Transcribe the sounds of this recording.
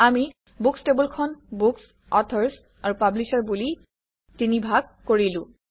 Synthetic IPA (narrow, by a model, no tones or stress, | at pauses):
ami | bukstebulkʰɔnbuks | ɔtʰɔɹs | aɹupablisaɹbuli | tinibʱaɡ̚koɹilʊ̃